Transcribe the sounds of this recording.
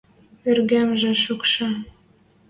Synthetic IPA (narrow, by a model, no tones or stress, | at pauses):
erɣæmʒĕʃukʃɑ